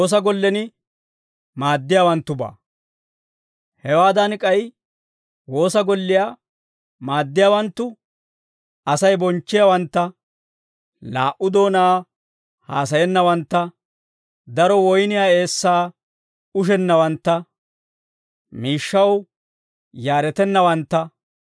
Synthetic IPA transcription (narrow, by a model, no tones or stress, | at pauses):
oːs̬ɐɡɔlːɛnɪ | maːd̪ːɪjaːwɐnt̪ːʊba̰ː | hɛwaːd̪ɐnkʼɐj | wo̞ːsɐɡɔlːɪjaː | maːd̪ːɪjaːwɐnt̪ːʊ | ɐsɐjbɔnt͡ʃːɪjawɐnt̪ːɐ | la̰ːʔʊd̪oːnaː | haːs̬ɐjɛnːɐwɐnt̪ːɐ | d̪ɐɾɔwɔjnɪjaːe̞ːsːaː | ʊʃ̬ɛnːɐwɐnt̪ːɐ | miːʃːɐw | jaːɾɛt̪ɛnːɐwɐnt̪ːɐ